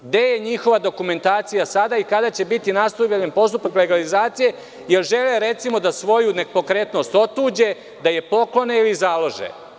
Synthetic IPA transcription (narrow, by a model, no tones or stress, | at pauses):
ɡd̪e̞jeɲixo̞ʋad̪o̞kume̞nt̪aːt̪sijasad̪aikad̪at͡ɕe̞bit̪inast̪oaʎenpo̞st̪upakle̞ɡalizaːt̪sije̞ | jelʒe̞leɾe̞t̪simo̞d̪asʋo̞junepo̞kɾet̪no̞st̪o̞t̪uːd͡ʑe̞ | d̪aje̞po̞klo̞neilizalˠo̞ʒḛ